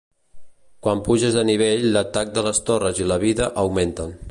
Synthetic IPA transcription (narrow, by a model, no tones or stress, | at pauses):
kwampuʒəzəniβ̞eʎlət̪ak̚d̪ələst̪orəziləβiðəʔəwment̪ən